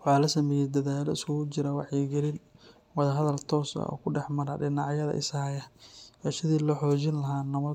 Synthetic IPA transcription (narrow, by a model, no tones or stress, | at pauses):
ħaːlɐsɐmɛːjɛd̪ɐðaːlɔɪsʊʊt͡ʃɪɾɐwɑħjɪɡɛlɪn | wɐðɐɦɐðɐlt̪ʰɔːsɐ̰ʔɔ̰ːkʰʊɖɛħmɐɾɐɖɪnɑʕjɐðɐ̰ʔɪ̰saːjɐʔɛʃɪðiːlɔħɔːt͡ʃɪnlɐɦaːnɐmɐ